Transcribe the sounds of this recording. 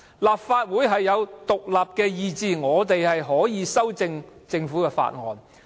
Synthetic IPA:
laː˨p̚faː˧t̚wuː˨˥jɦɐ˨jːɐ˨˧wt̪ʊ˨k̚laː˨p̚kɛː˧jiː˨˧t͡siː˨ŋɔː˨˧t̪e˨jhɐ˨jɦɔː˨˥jiː˨˧sɐ˥wt͡sɪ˧ŋt͡sɪ˧ŋfuː˨˥kɛː˧fa̰ː˧t̚ŋɔ̰ː˨n

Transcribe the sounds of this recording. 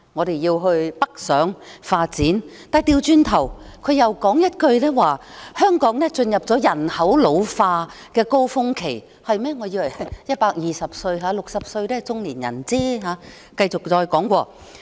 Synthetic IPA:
ŋɔː˨˧ɾe˨jiː˧wɦɵ˧ɥpɐ˥k̚sœː˨˥ŋfaː˧t̚t͡siː˨˥nt̪aː˨jt̪iː˧wt͡ʃyː˧nt̪ʰɐ˨˩wkʰɵ˨˧ɥjɐ˨˩wkɔː˨˥ŋjɐ˥t̚kɵ˧ɥnɛː˥waː˨hœː˥ŋkɔː˨˥ŋnɛː˥t͡sɵ˧njɐ˨p̚t͡sɔː˨˥jɐ˨˩nhɐ˨˥wlo˨˧wfaː˧ | kɛː˧ko˥wfʊ˥ŋkʰe˨˩j | hɐ˨jmɛː˥ŋɔː˨˧jiː˧wɐ˨˩hɐ˨˩jjɐ˥t̚paː˧k̚jiː˨˩sɐ˨p̚sɵ˧ɥɦaː˨˧˥lʊ˨k̚sɐ˨p̚sɵ˧ɥnɛː˥t͡sʊ˥ŋliː˨˩njɐ̰˨˩nt͡siː˥ɦaː˨˥ | kɐ˧jt͡sʊ˨k̚t͡sɔː˧jkɔː˨˥ŋkʷɔː˧

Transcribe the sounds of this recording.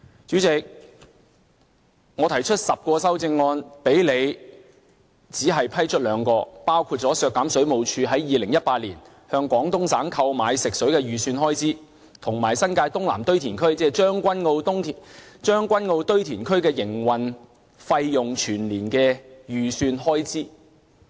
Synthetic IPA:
t͡ʃyː˨˥t͡sɪ˨k̚ | ŋɔː˨˧t̪ʰɐ˨˩jt͡ʃʰɵ˥t̚sɐ˨p̚kɔː˧sɐ˥wt͡sɪ˧ŋːɔː˧npe˨˥jle˨˧j | t͡siː˨˥ɦɐ˨jpʰɐ˥jt͡ʃʰɵ˥t̚lœː˨˧ŋkɔː˧paː˥wkʰuː˧t̚t͡sɔː˨˥sœː˧kːaː˨˥msɵ˨˥ɥmo˨˧wt͡ʃʰyː˧ɦɐ˨˥jːiː˨˧lɪ˨˩ŋjɐ˥t̚paː˧t̚liː˨˩n | hœː˧ŋkʷwɔː˨˥ŋt̪ʊ˥ŋsaː˨˥ŋkʰɐ˧wmaː˨˧jsɪ˨k̚sɵ˨˥ɥkɛː˧jyː˨syː˧nɦɔː˥jt͡siː˥ | t̪ʰʊ˨˩ŋmaː˨˩jsɐ˥nkaː˧jt̪ʊ˥ŋla̰ː˨˩mt̪ɵ˥ɥt̪ʰiː˨˩nkʰɵ˥ɥt͡sɛː˧˥t͡ʃœː˥ŋkʷɐ˥nŋo˧wt̪ʊ˥ŋʰ˨t͡ʃœː˥ŋkʷɐ˥nŋo˧wt̪ɵ˥ɥt̪ʰiː˨˩nkʰɵ˥ɥkɛː˧jɪ˨˩ŋwɐ˨n | fɐ˧jjʊ˨ŋt͡ʃʰyː˨˩nliː˨˩nkɛː˧jyː˨syː˧nɦɔː˥jt͡siː˥

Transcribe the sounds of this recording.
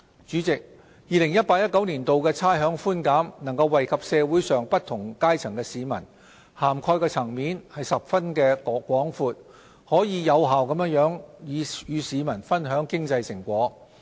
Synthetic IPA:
t͡ʃyː˨˥t͡sɪ˨k̚ | jiː˨˧lɪ˨˩ŋjɐ˥t̚paː˧k̚jɐ˥t̚kɐ˨˥wniː˨˩nt̪o˨wkɛː˧t͡sʰaː˥jɦœː˨˥ŋfuː˥nkaː˨˥mnɐ˨˩ŋkɐ˧wːɐ˨jkʰɐ˨p̚sɛː˧wuː˨˥jsœː˨ŋpɐ˥t̪̚ʰʊ˨˩ŋkaː˥jt͡sʰɐ˨˩ŋkɛː˧siː˨˧mɐ˨˩n | haː˨˩mkʰɔː˧jkɛː˧t͡sʰɐ˨˩ŋmiː˨˥nhɐ˨jsɐ˨p̚fɐ˥nkɛː˧kʷɔː˨˥ŋfuː˧t̚ | hɔː˨˥jiː˨˧jɐ˨˧wɦaː˨wkɐ˨˥mjə˥ŋjœː˨˥ŋjiː˨˧jyː˨˧siː˨˧mɐ˨˩nfɐ˥nɦœː˨˥ŋkɪ˥ŋt͡sɐ˧jsɪ˨˩ŋkʷɔː˨˥

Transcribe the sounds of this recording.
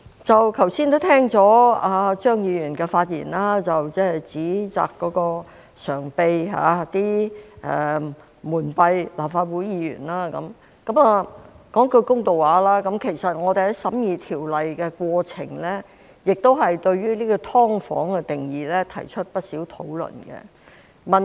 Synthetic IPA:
t͡sɐ˨wkʰɐ˨˩wsiː˥nt̪t̪ʰɛː˥ŋt͡sɔː˨˥aː˧t͡ʃœː˥ŋjiː˨˧jyː˨˩nkɛː˧faː˧t̚jḭː˨˩nlaː˥t͡sɐ˨wt͡sɛː˥˨jt͡siː˨˥t͡sa̰ː˨kːɔː˨˥kɔː˧ | sœː˨˩ŋpe˧jɦa̰ː˨˧˦t̪iː˥ʔɛ˨˩ | muː˨˩npɐ˧jlaː˨˩p̚faː˧t̚wuː˨˥jiː˧jy̰ː˨˩nlaː˥kɐ̰˨˥m | kɐ˨˥maː˨ | kɔː˨˥ŋkɵ˧kʊ˥ŋt̪o˨waː˨˧˥laː˥kɐ˨˧˥mkʰe˨˩jsɐ˨t̚ŋɔː˨˧t̪e˨˩ɛ˨˥sɐ˨˥mjiː˨˧t̪ʰiː˨˩wlɐ˨jkɛː˧kwɔː˧t͡sʰɪ̰˨˩ŋlɛː˥ | jɪ˨k̚t̪o˥wɦɐ˨jt̪ɵ˧ɥɥyː˥liː˥kɔː˧t̪ʰɔː˥ŋfɔ̰ː˨˥ŋkɛ˧t̪ɪ˨˩ŋjiː˨lɛ˥t̪ʰɐ̰˨˩jt͡ʃʰɵ˥t̚pɐ˥t̚siː˨˥wt̪ʰo˨˥wlɵ̰˨˩nkɛ̰˧ | mɐ˨n

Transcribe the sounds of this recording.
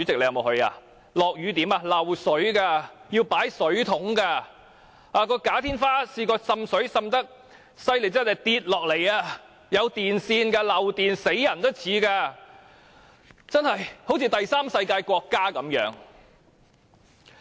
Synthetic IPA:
t͡sy˨˧˥t͡sɪ˨k̚e˧jmo˨˧hɵ˧ɥa̰ː˧ | lɔː˨k̚jyː˨˧t̪iː˨˥maː˧lɐ˨˩wsɵ˨˥ɥkaː˧ji˧wpaː˨˥jsɵ˨˥ɥt̪ʰʊ˨˥ŋkaː˧ | aː˧kɔː˧kaː˨˥t̪ʰiː˥nfaː˥siː˧˩kɔː˧sɐ˧msɵ˨˥ɥsɐ˧mt̪ɐ˥k̚ | sɐ˧jle˨˩jt͡sɐ˥nɐ˨˩jt̪iː˧t̚lɔː˨k̚le˨˩jaː˧ | jɐ˨˧wt̪iː˨nsiː˧nkaː˧lɐ˨˩wt̪iː˨nse˨˥jːɐ˨˩nt̪ɐ˥t͡sʰiː˨˧˥kaː˧ | t͡sɐ˥nhɐ˨jho˨˥wt͡sʰiː˧t̪ɐ˨jsaː˥msɐ˧jkaː˧jkʷɔː˧kːaː˥kɐ˨˥mjœ̰ː˨˥ŋ

